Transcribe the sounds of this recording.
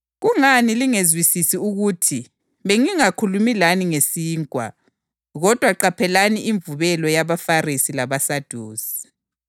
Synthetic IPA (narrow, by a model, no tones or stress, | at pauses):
ɣuŋaniliŋezwisisiuɣutʰi | βeŋiŋakʰulumilaniŋesiːŋkʼwa̰ | ɣɔd̥ʱwaǃapʰɛlaniʔiɱvuβɛlɔjaβafarisilaβasad̥ʱuːsi̥